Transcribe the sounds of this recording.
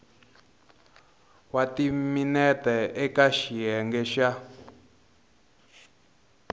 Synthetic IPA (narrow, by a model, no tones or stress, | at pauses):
watiminɛtɛɛkaʃiɦɛŋɡɛʃa